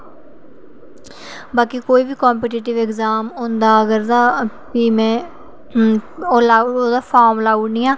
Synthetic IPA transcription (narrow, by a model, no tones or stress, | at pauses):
baːkiːkoːiːbiːkɔːmpɛːʈiːʈɪʋɪɡzaːmɦõːnd̪aːəɡəɾd̪aː | piːmɛ̃ː | oːlaːoːd̪aːpʰaːɾmlaːuːnĩːaː